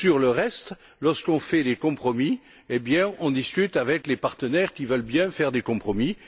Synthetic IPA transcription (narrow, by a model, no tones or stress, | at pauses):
syʁləʁɛst̪ | lɔʁskɔ̃fɛd̪ekɔ̃pχɔmi | ebjɛ̃ɔ̃d̪iskʲyt̪avɛklepaʁt̪ənɛʁkʲivœlbjɛ̃fɛʁd̪ekɔ̃pχɔmi